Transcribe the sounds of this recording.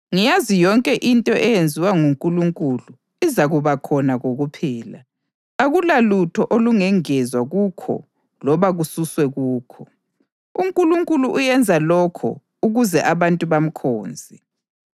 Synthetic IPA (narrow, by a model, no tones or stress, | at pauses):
ŋijazijɔŋkʼɛʔintʼɔʔɛjend͡zʱiwaŋuŋkʼuluŋkʼulu | izaɣuβakʰɔnaɣoɣupʰɛːla̰ | aɣulalutʰɔʔoluŋɛŋɛzwaɣukʰɔ̰ | lɔβaɣususwɛɣuːkʰɔ | uŋkʼuluŋkʼuluʔujɛnd͡zʱalɔkʰɔ̰ | uɣuzɛʔaβantʼuβam̩kʰoːnd͡zʱi